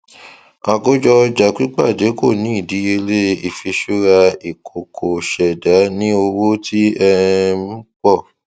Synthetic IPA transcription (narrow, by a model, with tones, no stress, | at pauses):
a˧˨ɡo˦d͡ʒɔ˧d͡ʒa˨k͡pi˦k͡pa˦˨d͡ʒe˨˦ko˦˨nĩ˨˦i˦˨di˨˦e˧le˦i˨fi˧ʃu˦ɾa˧i˨kʰo˨kʰo˨ʃɛ˨da˨˦nĩ˦o˧wo˦tʰi˦ɛ˧m̩̃˦k͡pɔ˦˨